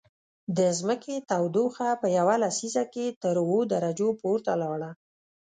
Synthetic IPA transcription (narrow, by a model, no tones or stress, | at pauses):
d̪əzməket̪awd̪oxapəjawalasizaket̪əɾwod̪aɾad͡ʒopoɾt̪alɑɽa